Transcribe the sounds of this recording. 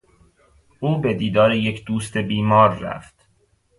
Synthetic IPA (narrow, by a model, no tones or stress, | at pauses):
ʔuːbe̞d̪iːd̪ɒːɾejecʰd̪uːst̪e̞biːmɒːɾːæ̰ft̪